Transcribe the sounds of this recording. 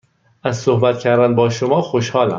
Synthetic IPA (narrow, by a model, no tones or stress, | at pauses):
ʔæzsohbæt̪cʲʰæɾd̪ænbɒːʃomɒːxoʃhɒːlæ̰m